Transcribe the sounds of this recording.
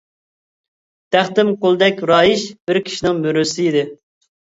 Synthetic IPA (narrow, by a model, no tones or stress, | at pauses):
d̪̥æχt̪ɪmqolˠd̪ɛkʲɾɑːjiʃb̥ɪɾkʲʰi̥ʃinɪŋmyɾysɪid̪ɪ